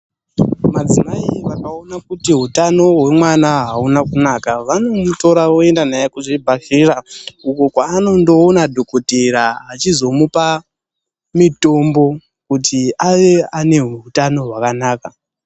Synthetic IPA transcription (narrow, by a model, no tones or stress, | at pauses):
mad͡zimaiʋakao̞nakutiɦutano̞ɦwe̞mwanaɦaunakunakaʋano̞muto̞ɾaʋo̞e̞ndanajakuʐibʱaʃirauko̞kwaːno̞ndo̞ːnadʱo̞koteɾaɦat͡ʃizo̞mupa | mito̞mbo̞ | kutʰiʔaʋe̞ane̞ɦutano̞ɦwakanaːka